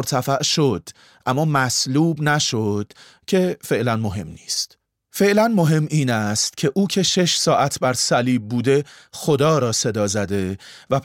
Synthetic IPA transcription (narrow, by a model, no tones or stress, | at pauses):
ɾt̪ʰæfæʔʃod̪̥ | ʔæmːɒːmæsluːbnæʃo̞d̪̥ | cʰe̞fe̞ʔlænmo̞ɦe̞mniːst̪ | fe̞ʔlænmo̞ɦe̞mːiːnæst̪cʰe̞ʔuːcʰe̞ʃe̞ʃsɒːʔæt̪ʰbæɾsæliːb̚ːuːd̪e̞xo̞d̪ɒːɾɒːse̞d̪ɒːzæd̪e̞væ